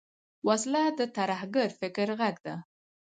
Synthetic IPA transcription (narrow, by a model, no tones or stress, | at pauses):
waslad̪ət̪aɾahɡaɾfɪkɾɣaɡd̪a